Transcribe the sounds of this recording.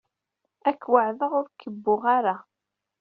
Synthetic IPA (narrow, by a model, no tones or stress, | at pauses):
ækːwəʕðəʁʊɾkəbːʊʁaɾa